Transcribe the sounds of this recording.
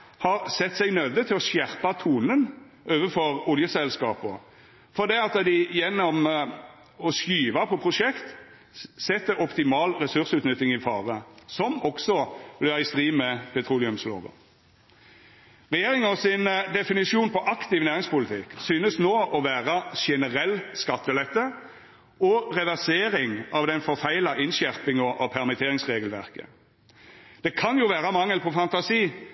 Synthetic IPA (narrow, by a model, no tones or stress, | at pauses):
hɑʁsɛt̪ːsɛɡnœd̪ət̪ʰɪlɔsjæʁpɑt̪ʰuːnən | ʔøːʋəfɔʁʊljəsɛlskɑːpɔ̰ | fɔd̪ɛːɑt̪d̪ɪjɛnːɔm | ɔskyːʋɑpʰɔpʰʁʊʂɛkt̪ | sɛt̪ːəɾɔpt̪ɪmɑːlʁɛsʉʁsʉt̪nʏt̪ːɪŋɪfɑːʁəsɔmɔksɔblɛɪst̪ʁiːmɛpʰɛt̪ʰɾuːlɪʉmslo̰ːʋə̰ | ʁɛjeːʁɪŋɔsɪnd̪ɛfɪnɪʃuːnpʰɔʔɑkt̪ɪʋnæːʁɪŋspʊlɪt̪ʰɪksyːnəsnoːʔɔʋæːʁəʃɛnəʁɛlːskɑt̪ːəlɛt̪ːə | ɔʁɛʋæʁseːʁɪŋɑʋd̪ɛnfɔʁfæɪlɑʔɪnʃæʁpɪŋɔʔɔpʰæʁmɪt̪ʰeːʁɪŋsʁeːɡəlʋæʁkə̰ | d̪̥ɛkʰɑnjuʋæːʁəmɑŋːəlpʰɔfɑnt̪ɑsiː